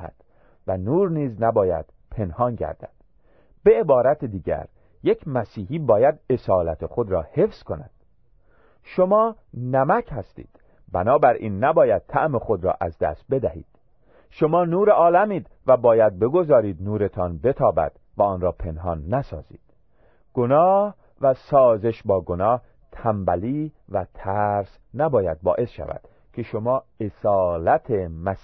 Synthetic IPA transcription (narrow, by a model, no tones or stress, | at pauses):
hæ̰d̪̥ | vænuːɾniːznæbɒːjæ̰d̪̥pʰe̞nhɒːnɟæ̰ɾd̪̥æ̰d̪̥ | b̥e̞ebɒːɾæt̪ʰed̪iːɟæ̰ɾ | je̞kʰmæsiːhiːbɒːjæd̪e̞sɒːlæt̪ʰexo̞d̪ɾɒːhe̞fsko̞næ̰d̪̥ | ʃomɒː | næmæchæst̪ḭːd̪̥ | bænɒːbæɾʔḭːnːæbɒːjæd̪̥̚t̪ʰæʔmexo̞d̪ɾɒ̰ːʔæzd̪æ̰st̪̚be̞d̪æhḭːd̪̥ | ʃo̞mɒːnuːɾeʔɒːlæmiːd̪ | væbɒːjæd̪̚be̞ɡo̞zɒːɾiːd̪nuːɾe̞t̪ʰɒnbe̞t̪ʰɒːbæ̰d̪̥ | væɒːnɾɒːpʰe̞nhɒnːæsɒ̰ːzḭːd̪̥ | ɡ̥onɒːh | væsɒːze̞ʃbɒːɡonɒːh | t̪ʰæmbæliːvæt̪ʰæɾs | næbɒːjæd̪̚bɒ̰ːʔe̞sʃæ̰væ̰d̪̥ | kʲʰe̞ʃo̞mɒːesɒːlæt̪ʰemæs